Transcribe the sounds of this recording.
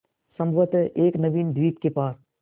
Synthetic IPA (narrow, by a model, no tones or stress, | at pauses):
sɐ̃mbʱʋət̪ʔeːknɐbiːnd̪ʋiːt̪kepaːɾ